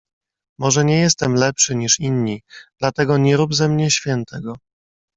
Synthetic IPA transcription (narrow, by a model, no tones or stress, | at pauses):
mɔʐɛɲɛjɛst̪ɛmlɛpʂɘɲiʂinɲid̪̥lat̪ɛɡɔɲɛɾubzɛmɲɛɕfʲjɛnt̪ʰɛɡɔ